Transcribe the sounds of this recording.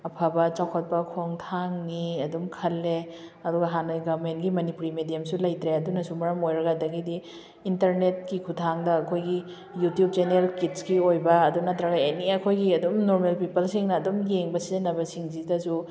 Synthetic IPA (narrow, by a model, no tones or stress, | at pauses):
ɐpʰabɐt͡ʃawkʰɐt̚pɐkʰoŋtʰaŋniɐdumkʰɐlːeɐduɡɐɦanɐɡɐbmentɡimɐnipuɾimedijamsulɐjtɾeɐdunɐsumɐɾɐmojɾɐɡadɐɡidiː | ntɐɾnet̚kikʰutʰaŋdɐːkʰojɡi | jutjub̚d͡ʒeneelkitsɡiojbɐːdunɐtɾɐɡeniɐkʰojɡiɐdumnoɾmelpipɐlsiŋnɐːdumjeŋbɐsizenːɐbɐsiŋzidɐsu